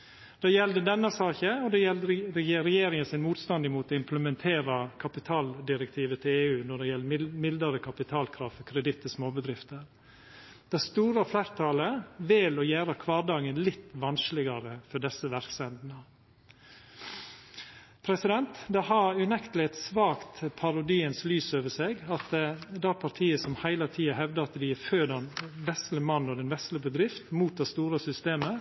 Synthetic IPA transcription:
d̪̥ɑːjɛld̪əd̪ɛnːɑsɑːçəɔd̪ɛjɛld̪əɾɾɛjeːɾɪŋənsɪnmuːt̪st̪ɑnd̪ɪmuːt̪oɪmpləmɛnt̪ʰeːɾɑkʰɑpɪt̪ʰɑːld̪ɪɾɛk̚t̪ʰiːʋət̪ʰɪleːʉːnɔɖɛjɛlːəmɪld̪əɾəkʰɑpɪt̪ʰɑːlkʰɾɑːʋfɔkʰɾɛd̪ɪt̪ʰːɪsmoːbəd̪ɾɪft̪əɾ | d̪̥æst̪uːɾɑflæːɾt̪ʰɑləʋɪlɔjæːɾəkʰʋɑːɖɑːɡənlɪt̪ːʋɑnsklɪɡɑɾəfɔɖɛsəʋæɾksɛnd̪n̩ə | pʰɾɛsɪd̪ɛnt̪d̪ɛhɑɾʉnɛkt̪əlɪɛt̪sʋɑːkt̪pʰɑɾʊd̪iːənslyːsøːʋəʂeɡɑt̪d̪ɛɾpʰɑɾt̪ʰiːəsɔmhæɪlɑt̪ʰiːɑɦɛʋd̪ɑɑt̪d̪ɪføːdɑnʋɛst̪ləmɑnːɔd̪ɛnʋɛsləbəd̪ɾɪft̪muːt̪̚d̪ɛst̪uːɾəsʏst̪eːmə

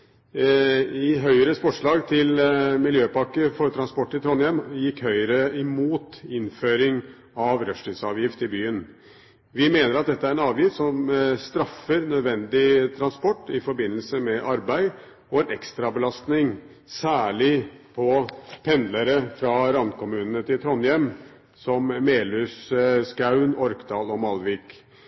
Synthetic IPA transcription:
ɪɦœʏəɾəsfɔʂɭɑːɡt̪ʰɪlmɪljøːpɑkəfɔɾt̪ʰɾɑnspɔʈːɪt̪ʰɾɔnjɛmjɪkːhœʏəɾəɪmuːt̪ɪnføːɾɪŋ | ɑʋɾœʂʈɪsɑːʋjɪft̪ɪbyːən | ʋɪmeːnəɾɑt̪̚d̪ɛt̪ːəæɾɛnɑːʋjɪft̪sɔmst̪ɾɑfːəɾnœd̪ʋɛnd̪ɪt̪ʰɾɑnspɔʈːɪfɔɾbɪnːəlsəmɛʔɑɾbæɪ | ɔɛnɛkst̪ɾɑbəlɑst̪nɪŋ | sæːɭɪpʰɔpʰɛnd̪ləɾəfɾɑɾɑnkʊmʉːnənət̪ʰɪlt̪ʰɾɔnjɛm | sɔmːeːlʉsskɑʉnɔɾkd̪ɑːlɔmɑlʋɪːk

